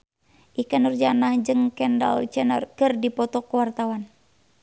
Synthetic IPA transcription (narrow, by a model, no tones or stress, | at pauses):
ʔikanurd͡ʒanahd͡ʒɨŋkɛnda̰lt͡ʃɛnə̰rkɨrdipɔt̪ɔkəwart̪awan